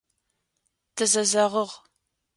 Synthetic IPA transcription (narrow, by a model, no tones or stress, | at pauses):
tʰɨzɐzɐʁəʁ